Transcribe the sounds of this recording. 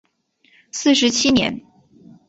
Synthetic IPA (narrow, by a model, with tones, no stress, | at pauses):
sɹ̩˥˩ʂɻ̩˧˥t͡ɕʰi˥njɛ̰˧˥n